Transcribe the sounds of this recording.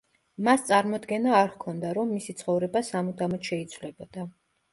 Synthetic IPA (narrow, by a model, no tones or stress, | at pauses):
mast̪sʼaɾmɔd̪ɡɛnaːɾkʰɔnd̪aɾɔmːisit̪sʰχɔvɾɛbasamud̪amɔt̪ʃɛit̪sʰvlɛbɔd̪a